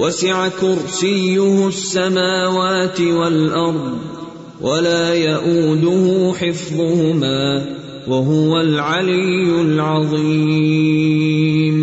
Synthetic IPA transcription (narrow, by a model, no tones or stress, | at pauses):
wasɪʕakʊɾsɪjːʊhsːamaːwaːt̪ɪwalʔɑɾˤd̪ˤ | wʔalaːjaʔuːd̪ʊhʊħɪfðˤʊhʊmaː | waɦʊwalʕalɪjːʊlʕɑðˤiː | m